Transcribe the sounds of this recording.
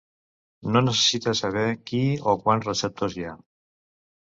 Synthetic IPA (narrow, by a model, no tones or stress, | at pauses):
nonəsesit̪asaβɛkiokwansrəsɛp̚t̪ozja